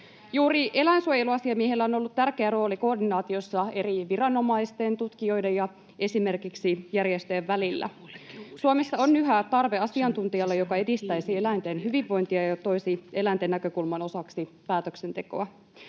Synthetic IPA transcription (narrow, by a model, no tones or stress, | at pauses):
juːɾiʔe̞læinsuojeluɑsiɑmiehelːæo̞no̞lːut̪t̪ærkeæro̞ːliko̞ːrdinɑːt̪io̞sːɑe̞riʋirɑno̞mɑist̪e̞nt̪ut̪kio̞jde̞jɑ | e̞sime̞rkiksijærjest̪øjeʋːælilːæ̰ | suomesːɑonːyɦæt̪ɑrʋeɑsiɑnt̪unt̪iɑlːejo̞kɑe̞dist̪æjsielænt̪e̞nɦyʋiʋːo̞jnt̪iɑjɑt̪o̞isie̞lænt̪enːækø̞kulmɑno̞sɑksipæːt̪økse̞nt̪eko̞̰æ